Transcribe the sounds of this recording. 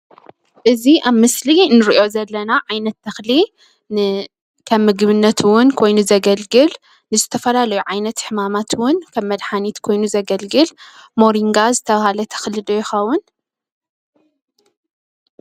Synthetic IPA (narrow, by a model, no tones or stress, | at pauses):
ʔɨziʔaβmɨslinɨɾiʔo̞zɐlːɐnaʕajnɐt̪ːɐxli | kʰɐmːɨɡβɨnːɐt̪wʊnkʰo̞jnuzɐɡɐlɡɨl | nɨzɨt̪ʰɐfɐlalɐjuʕajnɐt̪ħɨmamat̪wʊnkʰɐβmɐd̪ħanit̪kʰo̞jnuzɐɡɐlɡɨlmo̞ɾiŋɡazɨt̪ʰɐβahalɐt̪ʰɐ̥xlɨd̪ojɪxɐwʊn